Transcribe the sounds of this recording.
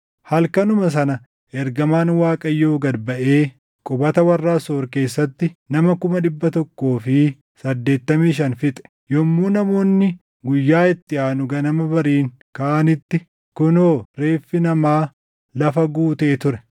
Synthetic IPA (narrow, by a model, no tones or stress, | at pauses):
hɐlkɐnʊmɐs̬ɐnɐ | ʔɛɾɡɐmaːnwaːkʼɐjːo̞ːɡɐd̪bɐʔeː | kʼʊbɐt̪ɐwɐrːaːsoːɾke̞ːsːɐt̪ːɪnɐmɐkʊmɐᶑɪbːɐt̪ɔkːo̞ːfɪ | sɐd̪ːe̞ːt̪ːɐmiːʃɐnfɪt̪ʼɛ̥ | jɔmːuːnɐmo̞ːnːɪ | ɡʊjːaːɪt̪ːɪaːnʊɡɐnɐmɐbɐɾiːŋ | kaʔɐnɪt̪ːɪ | kʊnoːɾe̞ːfːɪnɐmaː | lɐfɐɡuːt̪eːt̪ʊɾɛ